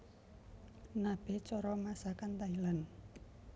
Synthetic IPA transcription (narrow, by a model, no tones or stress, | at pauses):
nab̥e̤t͡ʃɔɾɔmasakant̪ailan